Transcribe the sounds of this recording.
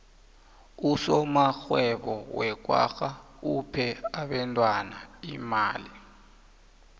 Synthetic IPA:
usɔmaxwɛɓɔwɛk̬ʼwa̰xa | upʰɛaɓɛntʼwanaimaːli

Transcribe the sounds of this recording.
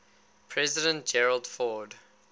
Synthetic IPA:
pʰɹɛzɪdə̃nt̚d͡ʒɛɹəlˠdfɔd

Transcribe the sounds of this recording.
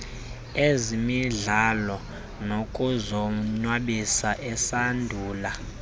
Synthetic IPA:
ezimiɮalɔ | nokʼuzɔɲwaɓisaʔɛsandʱuːla

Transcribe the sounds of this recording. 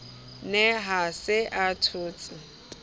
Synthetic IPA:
nɛɦasɪʔatʰʊːt͡sʼɪ

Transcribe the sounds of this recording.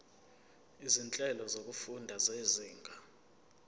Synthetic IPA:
izint͡ɬʼɛlɔzok̬ufundʱazeziːŋɡʱa

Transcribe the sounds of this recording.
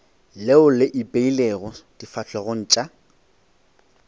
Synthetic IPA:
leʊlɪʔɪpʼeileɣɔd̥ifat͡ɬʰʼɛɣʊn̩ːt͡ʃʼa

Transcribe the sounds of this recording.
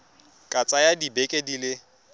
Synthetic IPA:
kʼat͡sʼajadibekʼedilɪ

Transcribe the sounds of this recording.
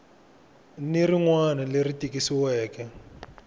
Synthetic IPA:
niriŋwanɛleɾitikisiwɛːkɛ

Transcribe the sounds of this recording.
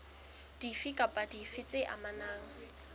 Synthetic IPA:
d̥ifikʼapʼadifɪt͡sʼɪʔa̰manaːŋ̩

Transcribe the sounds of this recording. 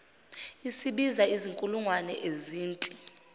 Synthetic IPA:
isiɓizaiziŋkʼuluŋwanɛʔeziːntʼi

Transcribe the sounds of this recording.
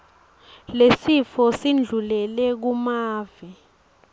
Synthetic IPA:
lesifɔsind͡ɮʱulɛlɛk̬umaːvi

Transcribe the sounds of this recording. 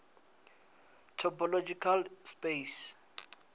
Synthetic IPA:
tʰɔpʰɔlod͡ʒikʰalspes

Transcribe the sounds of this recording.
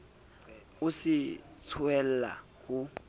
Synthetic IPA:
ʊsɪt͡sʰwɛl̩la̰ | hʊ

